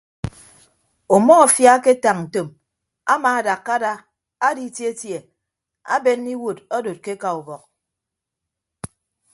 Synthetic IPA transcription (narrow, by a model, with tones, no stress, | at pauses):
o˨mɔ˦ɔ˨fja˦ke˦ta˨ŋn̩˨to˨m | a̰˦maː˨a˨da˨kːa˦da˦ | a˦di˦tje˦tje˨ | a̰˦be˦nːi˦wo˨tɔ˦do˨t̚ke˦ka˨u˨bɔ˨k̚